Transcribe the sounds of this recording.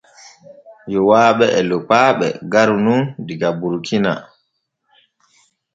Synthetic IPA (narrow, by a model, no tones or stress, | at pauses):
jɔwaːɓɛɛlɔpaːɓɛ̰ɡaɾnundiɡabuɾkʰina̰